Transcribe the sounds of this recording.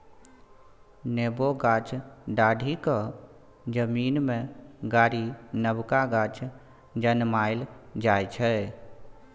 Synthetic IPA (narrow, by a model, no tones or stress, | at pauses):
neboɡat͡ʃɖaɖʱikə | d͡ʒəminmẽɡaːɾinəbkaɡat͡ʃ | d͡ʒənmaɪld͡ʒajt͡ʃʰɛ